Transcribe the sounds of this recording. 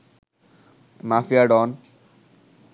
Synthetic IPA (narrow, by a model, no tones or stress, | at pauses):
mafijaɖɔn